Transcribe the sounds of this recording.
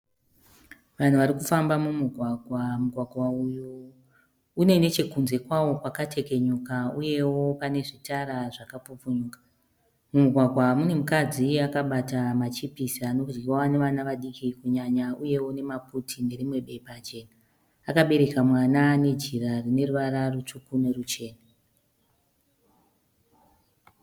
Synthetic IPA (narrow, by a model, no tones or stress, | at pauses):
ʋan̤uʋaɾikufambamumuɡʱwaɡʱwamuɡʱwaɡʱwaujo | une̞ne̞t͡ʃe̞kunze̞kwawo̞kwakatʰe̞ke̞ɲukauje̞wo̞pane̞ʐitaɾaʐakapup͡fuɲuːkḁ | mumuɡʱwaɡʱwamune̞mukad͡ziakaɓatamat͡ʃipisano̞kud͡ʒɡiwane̞ʋanaʋaɗikikuɲaɲauje̞wo̞ne̞maputʰine̞ɾimwe̞ɓe̞ipat͡ʃeːna | akaɓe̞ɾe̞kamwanane̞d͡ʒirarine̞ruʋaɾarut͡ʂukune̞rut͡ʃe̞ːna